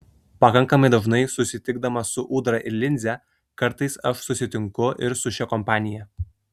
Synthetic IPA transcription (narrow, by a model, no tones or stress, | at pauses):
pɐkɐŋkɐmɐɪd̪ɐʒnɐɪsʊsʲɪt̪ʲɪɡd̪ɐmɐsʊʔuːd̪ɾɐʔɪlʲɪnʲzʲɛ | kɐɾt̪ɐɪsɐʃsʊsʲɪt̪ʲɪŋkʊʔɪɾsʊʃʲɛkɔmpɑːnʲɪjɛ